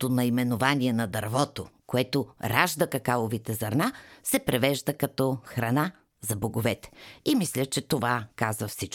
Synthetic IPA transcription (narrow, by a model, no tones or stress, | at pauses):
onɐimɛnʊvaniɛnɐd̪ɐɾvɔt̪okoɛt̪oɾaʒd̪əkɐkalˠovit̪ɛzɐɾnasɛpɾɛvɛʒd̪əkɐt̪ɔxɾɐna | zɐboɡovɛt̪ɛ̥imislʲət͡ʃɛt̪ovakazvɐfsit͡ʃ